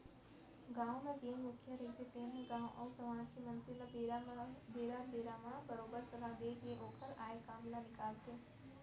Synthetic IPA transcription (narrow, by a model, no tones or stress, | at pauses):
ɡãːõmẽd͡ʒẽːnmʊkʰjəɾeːt̪et̪enẽɡãːõʔɐːsɐmaːʃimɐ̃nsilə | beːɾabeːɾaːmãbɐɾoːbəɾsɐlad̪eːkjeʔoːkʰəɾaːekaːmlanɪkaːlt̪eː